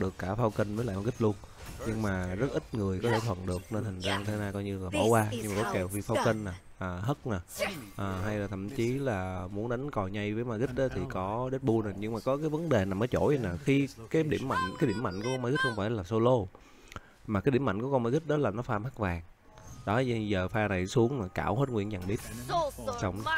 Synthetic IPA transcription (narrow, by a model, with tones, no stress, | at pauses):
ɗɨ˨˩əkːaː˧˩faː˧wkə˧n̟vəː˨˦la̰ː˧˨jm˨˧˩ɣt̚lu˧ən | ɲɨ˧ŋmaː˨˩zə˦˥t̚ʔï˦˥t̚ŋɨ˨˩əjkɔ˨˦t̪ʰe˧˩t̪ʰwə̰˨˩nɗɨ˨˩ək̚ne˧nhï˨˩ŋ̟zaː˧ŋt̪ʰe˨˦naː˧kɔ˧jɲɨ˧laː˨˩ɓɔ̰˧˩waː˧ɲɲɨ˧ŋmaː˨˩ɔ˨˦kɛ˨˩wfi˧faː˧wkə˧ŋ̟naː˨˩ | ʔəː˨˩ɦə˦˥t̚naː˨˩ʔəː˨˩ɦa˧jlaː˨˩t̪ʰə̰˧˨mt͡ɕi˨˦laː˨˩mu˨˦ənɗa˨˦ŋ̟kɔ˨˩ɲa˧jvəː˨˦jmaː˧ɣi˦˥ɗɔ˨˦t̪ʰi˨˩˦kɔ˨˦ɗe˦˥t̚ɓu˧naː˨˩ɲɨ˧ŋmaː˨˩kɔ˨˦kaː˨˦jvə˨˦nɗe˨˩naː˨˩məː˨˦jt͡ɕo̰˧˩ji˨˧naː˨˩xi˧kaː˨˦jɗḭ˧˩əmːa̰˧˨jŋ̟kaː˨˦jɗi˧˩əmːa̰˧˨jŋ̟ku˨˦kɔ˧nma˧ɣi˦˥t̚xə˧ŋ͡mfaː˧˩jlaː˨˩so˧lo˧ | maː˨˩kaː˨˦jɗi˧˩əma̰˧˨jŋ̟kkɔ˧nmaː˨˦ɣï˦˥t̚ɗɔ˨˦laː˨˩nɔ˨˦faː˧mha˦˥k̚vaː˨˩ŋ | ɗɔ˨˦˧zəː˨˩faː˧na˨˩jsu˨˦əŋmaː˨˩ka̰ː˧˩˨whe˦˥t̚ŋwḭ˧˨ənt͡ɕa˨˩ŋɓi˦˥ət̚sə˨˦wŋ͡m